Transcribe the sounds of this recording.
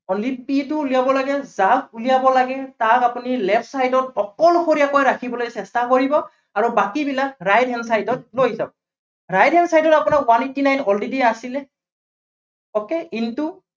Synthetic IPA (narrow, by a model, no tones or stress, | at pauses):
ɔldipitʊːlijabɔlaɡɛzabulijabɔlaɡɛtakapunilɛpʰsajdɔtɔkɔlkʰoɹijakojɹakʰibɔlojsɛstakoɹibɔ | aɹubakibilakɹajdʱɦɛnsajdɔt̚lojɦisab̚ɔ | ɹajdɦɛnsajdɔtapunakwanetːinajnɔldidiasilɛ | ɔkeintu